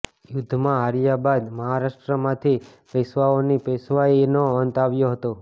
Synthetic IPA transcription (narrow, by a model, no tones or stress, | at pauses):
jʊd̪ʱːmãaɾjabad̪məɦaɾaʃʈɾəmãt̪ʰi | pesʋaonipɛsʋanoənt̪aʋjoɦət̪o